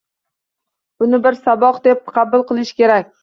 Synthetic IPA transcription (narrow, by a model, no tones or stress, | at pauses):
bʊnɪbɪɾsabɒqd̪ep̚qʰɑbʊlˠqɨlˠɪʃkʲe̞ɾakʲ